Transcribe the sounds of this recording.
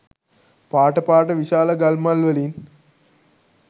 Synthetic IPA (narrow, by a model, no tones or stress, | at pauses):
paːʈəpaːʈəʋiʃaːləɡalmalʋəlin